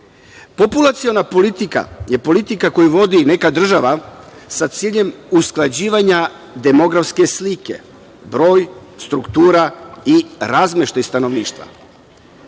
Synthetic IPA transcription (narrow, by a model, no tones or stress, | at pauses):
po̞pulˠat̪sio̞napo̞lit̪ika̰je̞po̞lit̪ikako̞juʋo̞d̪ine̞kad̪r̩ʒaʋasat̪siːʎe̞musklˠad͡ʑiːʋaɲa | d̪e̞mo̞ɡɾafske̞slike̞̰ | bɾo̞ːjst̪ɾukt̪uːɾaiɾazmeʃt̪ajst̪ano̞ʋniːʃt̪ʋa̰